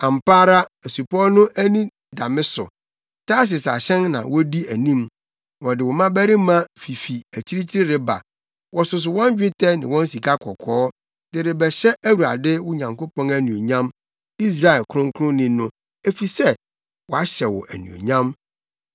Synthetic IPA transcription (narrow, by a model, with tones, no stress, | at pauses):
ã˨m˨paː˦ɾa˦æ˨su˨pʰɔ˦nʊ̃˦ʔæ˦nĩ˦ | da˨mɪ̃˦sʊ̰˨ | tʰa˦s̬ɪ˨sa̰˨ɕɛ̃˦nnã̰˨wɔ˦di˦æ˨nĩ˦m | wɔ˨dɪ˨wɔ˨mã˦bæ˦ɾɪ˦mã˦fi˨fi˨æ˨t͡ɕʰi˦ɾi˦t͡ɕʰi˦ɾɪ˦ɾɪ˦ba̰˨ | wɔ˨sʊ˨s̬ʊ˨wɔ̃˦n˦d͡ʑᶣɪ˦tʰɛ˦nɪ̰̃˨wɔ̃˦n˦si˨kʰa˦kʰɔ˨kʰɔː˦ | d̥ɪ˨ɾɪ˨bɛ˨ɕɛ˦æ˦wu˨a̰˨dɪ˦wʊ˦ɲã˨ŋko˦pɔ̃˦næ˦nũ˨o˨ɲã˦m | i˦s̬ɾa˨ɛ˨lkʰʊ˦ʊ̃˦ŋ˦kʰʊ˦ʊ̃˦nĩ˨nʊ̃˦ | e˨fi˨sɛ˦ | wɔ˨a˦ɕɛ˨wɔ̰˨ʔæ˨nṵ̃˨o̰˨ɲã˦m